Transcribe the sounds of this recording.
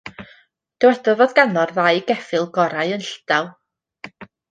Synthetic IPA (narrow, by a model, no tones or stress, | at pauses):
d̥ɛwɛdɔvɔðɡanɔrðajɡɛfɨlˠɡɔɾajənɬd̥alˠ